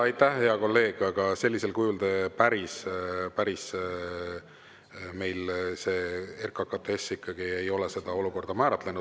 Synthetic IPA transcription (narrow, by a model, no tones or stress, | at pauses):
ɑjt̪ːæhhe̞ɑko̞lːe̞ːɡ̥ɑɡ̥ɑse̞lːise̞lkujuld̪̥epæɾispæɾis | me̞jlse̞ːerkˑɑkɑt̪ːˑeesːikːˑɑɡ̥ie̞jo̞lese̞d̪̥ɑo̞luko̞rd̪ɑmæːɾɑt̪lenud̪